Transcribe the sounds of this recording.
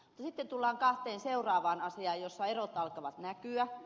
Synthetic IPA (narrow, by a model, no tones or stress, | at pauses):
mut̪ːɑsit̪ːent̪ulːɑːŋkɑht̪eːnseurɑːʋɑːnɑsiɑːjjosːɑerot̪ɑlkɑʋɑt̪nækyæ